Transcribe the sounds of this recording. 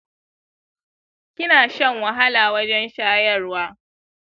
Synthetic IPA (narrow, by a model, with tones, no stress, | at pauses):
kʲɪ˦naː˨ʃɐ˦˨ŋwɐ˨ɦa˦laː˨wɐ˦d͡ʒɛ˦nʃaː˦jɐ˦˨rwaː˦